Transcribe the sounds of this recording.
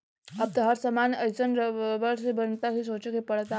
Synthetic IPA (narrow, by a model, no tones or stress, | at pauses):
əp̚t̪əɦəɾsəmanəjt͡sənɾəʋəɾsebənt̪aɦisot͡ɕəkepəɽt̪a